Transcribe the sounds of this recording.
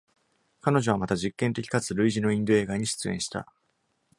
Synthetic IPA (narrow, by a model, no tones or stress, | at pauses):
kano̞ʑo̞β̞amat̪aʑikːẽ̞nt̪e̞kʲi̥kat͡sɨɾɯ̟iʑino̞ĩnd̪o̞e̞ːɡaɲ̟iɕɨ̥t͡sɨẽ̞̰ɕi̥t̪a̰